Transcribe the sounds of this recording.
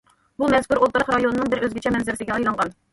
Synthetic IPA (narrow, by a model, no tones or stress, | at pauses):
bumɛzkuɾolˠt̪ɨɾəχɾɑjonɨnɨŋbɪɾøzɡʲɛt͡ʃʰɛmɛnzɪɾɪsɪɡʲɛɑjlˠɑɴʁɑn